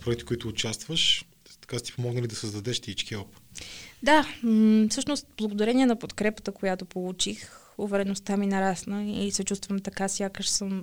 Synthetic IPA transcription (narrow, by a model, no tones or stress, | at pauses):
pɾɔɛɡ̪̚ʲt̪ɛ̥kʊit̪ʊːt͡ʃast̪vəʃ | t̪ɐ̥kast̪i̥pomɔɡnəlʲid̪ɐsəzd̪ɐd̪ɛʃt̪it͡ʃkiɔpu̥t̪d̪afsɤʃnost̪blˠəɡod̪ɐɾɛniɛnɐpot̪kɾɛpə̥t̪əkojat̪opolˠut͡ʃix | ʊvɛɾɛnost̪aminɐɾasnəisɛt͡ʃust̪vəmt̪ɐkasʲjakəʃsɤm